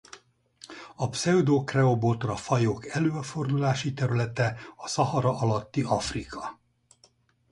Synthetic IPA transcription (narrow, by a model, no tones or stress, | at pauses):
ɒpsɛud̪oːkrɛobot̪rɒfɒjoːkɛløːɒfo̞rd̪ulaːʃit̪ɛɾylɛt̪ɛɒsɒɦɒɾɒʔɒlɒt̪ːiɒfrikʰɒ